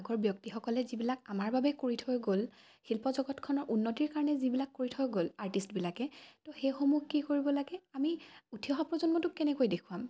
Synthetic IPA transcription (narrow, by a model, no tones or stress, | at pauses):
aɡɔɹbjɔk̚tixɔkɔlɛzibilakamaɹbabɛkoɹitʰɔɡol | xilpɔzɔɡɔtkʰɔnɔɹʔunːɔtiɹkaɹɔnɛzibilakːoɹitʰɔɡolaɹtistbilakɛtoxejxomuxkikoɹibɔlaɡɛamiutʰijɔxɔpɹɔzɔnmɔtʊkɛnɛkojdekʰuwam